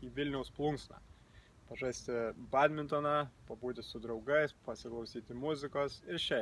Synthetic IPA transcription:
iːʋʲɪlʲnʲɛʊsplˠʊŋksnɑ̰ː | pɐʒɑsʲt̪ʲɪbɑːd̪ʲmʲɪnt̪oːnɑpɐbuːt̪ʲɪsʊd̪ɾɒʊɡɐɪspɐsʲɪklˠɐʊsʲiːt̪ʲɪmʊzʲɪkoːsɪɾʃʲɛ

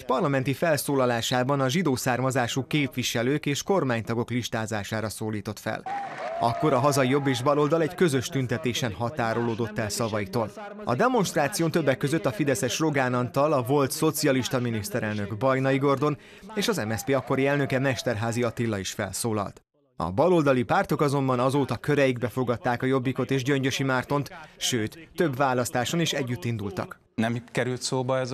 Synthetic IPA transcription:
ɛcpɒrlɒmɛnt̪ifɛlsoːlɒlaːʃaːbɒnɒʒid̪oːsaːrmɒzaːʃukeːpʋiʃɛløːkeːʃko̞rmaːɲt̪ɒɡo̞kliʃt̪aːzaːʃaːɾɒsoːliːt̪o̞t̪fɛ̰lɒ̰kːo̞ɾɒɦɒzɒijo̞bːeːʒbɒlo̞ld̪ɒlɛɟkø̞zø̞ʃt̪ynt̪ɛt̪eːʃɛnɦɒt̪aːɾoloːd̪o̞t̪ːɛlsɒvɒit̪oːl | ɒ̰d̪ɛmo̞nʃt̪raːt̪sijoːnt̪ø̞bːɛkːø̞zøt̪ːɒfid̪ɛsɛʃro̞ɡaːnɒnt̪ɒlɒvo̞lt̪so̞t̪sijɒliʃt̪ɒminist̪ɛɾɛlnø̞ɡbɒjnɒiɡo̞rd̪o̞n | eːʃɒzɛmɛspeːɒkːo̞ɾiɛlnøkɛmɛʃt̪ɛrɦaːziɒt̪ilːɒiʃfɛ̰lsoːlɒ̰lt̪ | ɒ̰bɒlo̞ld̪ɒlipaːrt̪o̞kɒzo̞mbɒnɒzoːt̪ɒkøɾɛjiɡbɛfo̞ɡɒt̪ːaːkɒjo̞bːiko̞t̪eːʒɟøɲɟø̞ʃimaːrt̪o̞nt̪ʃøːt̪ːø̞bvaːlɒst̪aːʃo̞niʃɛɟːyt̪ːind̪ult̪ɒ̰k | nɛmkɛɾylt̪soːbɒɛz

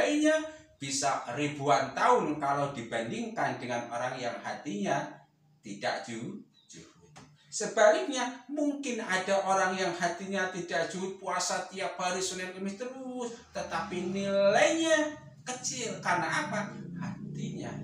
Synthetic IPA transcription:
aiɲa | b̥isaɾibuant̪aʊnkalodib̥andiŋkandəŋanoɾaŋjaŋhat̪iɲa | t̪idaʔ̚d͡ʒ̥u | d͡ʒ̥uʊt̪̚ | səb̥alɪk̚ɲamuŋkɪnadaʔoɾaŋjaŋhat̪iɲat̪idak̚d̥d͡ʒ̥uʊt̪̚puasat̪ijaʔ̚b̥alisulaməmit̪əɾust̪ət̪apinilajɲa | kət͡ʃɪlkarnaapahat̪iɲa̰

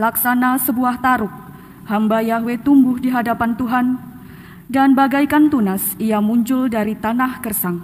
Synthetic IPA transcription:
laksanasəbuaht̪aɾʊk̚ | hambajaɦwet̪umbʊhdiɦadapant̪uɦan | danbaɡajkant̪unasiamuɲd͡ʒʊldaɾit̪anahkərsaŋ

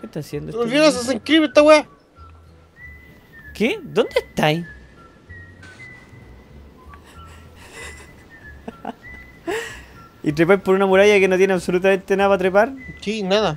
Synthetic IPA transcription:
ket̪asjend̪oevjees̬as̬eŋkɾiβet̪awe | ked̪ond̪eht̪aj | it̪ɾepajpoɾunamuɾajakenot̪jeneaβsolut̪̬ament̪enaðapat̪ɾepaɾsinaða

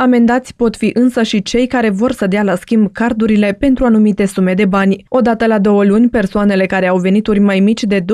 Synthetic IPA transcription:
ame̞nd̪at̪sʲpo̞t̪fiʔɨnsəʃit͡ʃe̞jkaɾe̞vo̞rsəd̪ealaskʲimbkard̪uɾile̞pe̞nt̪ɾuanumit̪e̞sume̞d̪e̞banʲo̞d̪at̪əlad̪o̞wəlunʲpe̞rsoane̞le̞kaɾe̞awve̞nit̪urʲmajmit͡ʃʲd̪e̞d̪

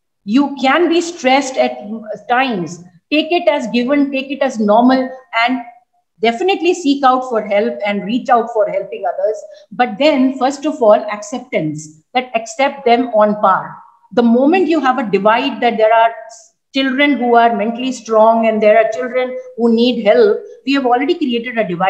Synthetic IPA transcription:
juːkæ̃nbiːsʈɾɛsʈɛʈ̚ʈãɪ̃mzʈeːkɪʈæzɡɪʋə̃nʈeːkɪʈæznɔːɾməlɛ̃ɳɖ | ɖɛfɪnɪʈlisiːkaʊʈfɔːɾɦɛlpɛ̃ɳɖɾiːt͡ʃaʊʈfɔːɾɦɛlpɪ̃ŋɡʌd̪əɾzbʌʈ̚d̪ɛ̃nfəɾsʈɔfɔːlɛksɛp̚ʈə̃nsd̪̥æʈɛksɛp̚ʈ̚d̪ɛ̃mɔ̃ːnpaːʈ | d̪əmõːmə̃ɳʈjuːɦæʋəɖɪʋaɪʈ̚d̪æʈ̚d̪eːɾaːɾ | t͡ʃɪlɖɾə̃nɦuːaːɾmɛ̃ɳʈəlisʈɾɔ̃ːŋɛ̃nɖd̪eːɾaːɾt͡ʃɪlɖɾə̃nhuːniːɖɦɛlp̚ʋiːæʋɔːlɾeɖikɾieːʈɪɖəɖɪʋaɪ

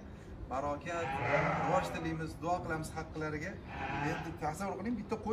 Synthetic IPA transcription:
baɾɒkʲʰat̪awɒʃt̪ʰɪlɪmɪzd̪ʊɒqɨlˠamɪz̥hɑqːɨlaɾɪɡʲa | end̪ɪp̚t̪ʰahsɪmoɾqʰɨlˠɪŋbɪt̪ʰːaqʰo

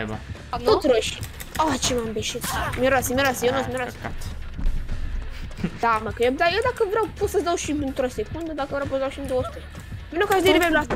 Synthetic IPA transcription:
ot̪sɾoʃi | at͡ʃemambeʃit̪mʲeɾasimʲieɾasjewnosmʲeɾasat̪ | d̪amakəjed̪ajewd̪akəvɾawpot̪səzd̪awʃiɨnt̪ɾosekund̪əd̪akəvɾawp̬osəzd̪awʃiɨnd̪owosu̥t̪ɾe | vinokaʃd̪eɾivebluas

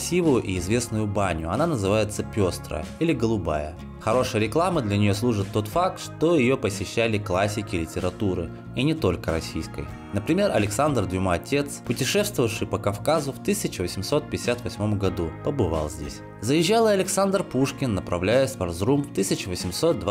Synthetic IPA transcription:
sʲivʊjʊʔiɪzvʲe̞snʊjʊbanʲʊɐnanəzɨvajɪt̪səpʲo̞st̪ɾə̰ilʲɪɡəlˠʊba̰jə̰ | xɐɾo̞ʂɨjəɾʲɪklˠamɨd̪lʲɐnʲɪjo̞slˠuʐɨt̪ːo̞t̪fak̚t̪ʂt̪o̞jɪjo̞pəsʲɪɕːælʲɪklˠasʲːɪkʲɪlʲɪtʲɪɾɐt̪uɾɨ | inʲɪt̪o̞lʲkəɾɐ̰sʲijskə̰j | nəpɾʲɪmʲe̞rɐ̰lʲɪksand̪r̩d̪vʲɪmaɐtʲe̞t̪spʊtʲɪʂɛst̪vəvəfʂɨjpəkɐfkazʊft̪ɨsʲɪt͡ɕɪvəsʲɪmso̞t̪̚pʲɪjɪsʲat̪vɐsʲmo̞mɡɐd̪upəbɨva̰lˠzʲdʲḛsʲ | zəjɪʑːalˠɪɐlʲɪksand̪rpuʂkʲɪnːəpɾɐvlʲæjɪsʲpɐrzrumft̪ɨsʲɪt͡ɕɪvəsʲɪmso̞t̪̚d̪v

